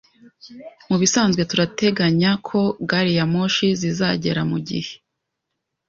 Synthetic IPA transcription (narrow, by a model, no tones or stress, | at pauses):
muβisaːnzɡwe̞tuɾate̞ɡaɲakʰo̞ɡaɾijamoːʃizizaɟe̞ɾamuɟihe̞̥